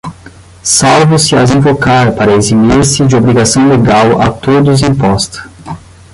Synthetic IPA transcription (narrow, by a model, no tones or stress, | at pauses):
sawvʊsɪazĩvokaɾpaɾɐezimiɾsɪd͡ʒɪobɾiɡasɐ̃w̃leɡawɐ̰t̪od̪ʊzĩmpɔst̪ɐ̥